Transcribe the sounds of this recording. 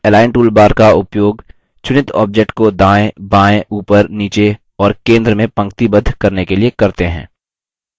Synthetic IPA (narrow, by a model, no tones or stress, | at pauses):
ɛlaːɪɳʈuːlbaːɾkaʊpjoːɡ | t͡ʃʊnɪt̪ɔ̰ːb̚d͡ʒek̚ʈkod̪ãːẽbãːẽʔuːpəɾniːt͡ʃe | ɔːɾkẽːnd̪ɾəmẽpɐ̃ŋk̚t̪ibɐd̪ʱːkɐɾnekeliekɐɾt̪eɦɛ̰̃ː